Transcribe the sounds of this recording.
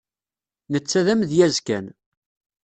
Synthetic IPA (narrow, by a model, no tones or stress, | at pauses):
nət͡sːæðæmðjæzkæ̰n